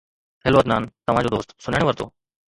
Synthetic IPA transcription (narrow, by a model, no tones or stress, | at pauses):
t̪ʰeːloəd̪naːnt̪ɐʋ̤ãd͡ʑod̪oːst̪sʊnəɽ̃eʋəɾt̪o̰ː